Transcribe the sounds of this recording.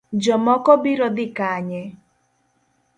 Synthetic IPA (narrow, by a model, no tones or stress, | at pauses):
d͡ʒɔmɔkɔbiɾɔd̪ɪkaɲɛ